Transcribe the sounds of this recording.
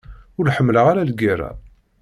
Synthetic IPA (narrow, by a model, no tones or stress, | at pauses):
ʊɾħəmːləʁaɾalɡiɾˤa̰